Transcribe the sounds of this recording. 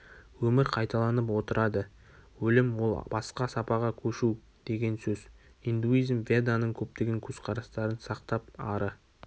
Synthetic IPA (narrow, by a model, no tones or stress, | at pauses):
wɵmɪɾqʰɑjt̪ɑlˠɑnəpwo̞t̪əɾɑd̪ə | wɵlɪmwo̞lˠbɑsqɑsɑpɑʁɑkʲʰɵʃu | d̪̥e̞ɡʲe̞nsɵz | ijnd̪uijzmvʲe̞d̪anəɴkʲʰɵp̚t̪e̞ɡʲe̞ŋkʲʰɵz̥qʰɑɾɑst̪ɑɾənsɑq̚t̪ɑp̚ɑɾə